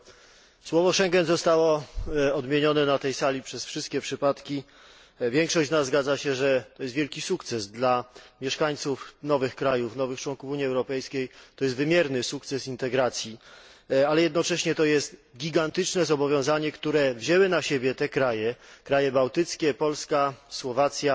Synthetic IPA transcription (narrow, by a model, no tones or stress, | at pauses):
swɔvɔʂɛŋɡɛnzɔst̪awɔɔd̪mʲjeɲɔnɛnat̪ɛjsalʲipʂɛsfʂɘst̪̚kʲɛpʂɘpat̪kʲi | vʲjɛŋkʂɔɕt͡ɕnazːɡad̪zaɕɛʐɛt̪ɔjɛst̪vʲjɛlkʲisukt̪sɛzd̪lamʲjɛʂkaɲt̪sufnɔvɘxkɾajufnɔvɘxt͡ʂwɔŋkufuɲiɛwɾɔpɛjskʲejt̪ɔjɛst̪vɘmʲjɛɾnɘsukt̪sɛsint̪ɛɡɾat̪sʲji | alɛjɛd̪nɔt͡ʂɛɕɲɛt̪ɔjɛst̪ɡʲiɡant̪ɘt͡ʂnɛzɔbɔvʲjɔ̃w̃zaɲɛkt̪uɾɛvʑɛwɘnaɕebʲjɛt̪ɛkɾajɛkɾajɛbawt̪ɘt̪skʲɛpɔlskaswɔvat̪sʲja